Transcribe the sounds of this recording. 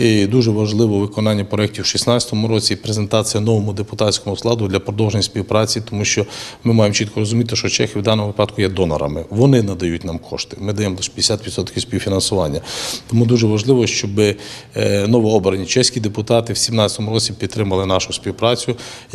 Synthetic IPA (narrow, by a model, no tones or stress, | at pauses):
id̪uʒɛʋɐʒlˠɪʋɔʋɪkɔnɑnʲːɐpɾɔɛk̚tʲiwʃisnɑt͡sʲjɐ̥t̪ɔmʊɾɔt͡sʲipɾezent̪ɑt͡sʲijɐnɔʋɔmʊd̪epʊt̪ɑt͡sʲsʲkɔmʊslˠɑd̪ʊd̪lʲɐpɾɔd̪ɔwʒenʲisʲpʲiwpɾɑt͡sʲit̪ɔmuʃt͡ʃɔmɪmɑjemt͡ʃit̪̚kɔɾɔzʊmʲit̪ɪʃɔt͡ʃɛxʲɪwd̪ɑnɔmʊʋɪpɑd̪kʊjɛd̪ɔnɐ̰ɾɐ̰mɪʋɔnɪnɐd̪ɐjutʲnɑmkʰɔ̰ʃt̪ɪ̥mɪd̪ɐjɛmlˠɪʃpʲd̪esʲat̪ʋʲit̪sɔt̪kʲiwsʲpʲiwfʲinɐnsʊʋɑnʲːɐt̪ɔmud̪uʒɛʋɐʒlˠɪʋɔʃt͡ʃɔbɪ | nɔʋiɔbɾɐnʲit͡ʃɛsʲkʲid̪epʊt̪ɑt̪ɪwsʲimnɑt͡sʲjɐt̪ɔmʊɾɔt͡sʲipʲid̪t̪ːɾɪmɐlˠɪnɑʃʊsʲpʲiwpɾɑt͡sʲʊ